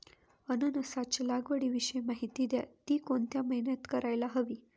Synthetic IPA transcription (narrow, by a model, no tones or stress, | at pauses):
ənənəsat͡ɕlaɡʋəɽiːʋiɕəjmaɦit̪iːd̪ja̰t̪iːkoɳt̪jaməɦinət̪kəɾajlaɦəʋiː